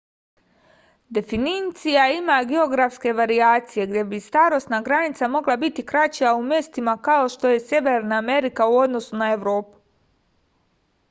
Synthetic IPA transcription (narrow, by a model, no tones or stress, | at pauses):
d̪e̞finit̪sijaimaɡeo̞ɡɾafske̞ʋaɾiaːt̪sije̞ɡd̪je̞bist̪aːɾo̞st̪naɡɾanit̪samo̞ɡlˠabit̪ikɾat͡ɕijaumje̞st̪imakao̞ʃt̪o̞je̞sje̞ʋeɾnaːme̞ɾikauo̞d̪no̞sunae̞ʋɾo̞ːpu̥